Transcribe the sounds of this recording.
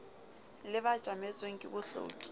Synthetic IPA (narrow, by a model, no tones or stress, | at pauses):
lɪbḁʒ̥ʼʱamet͡sʼweŋ̩kʼɪbʊɬo̰ːkʼi̥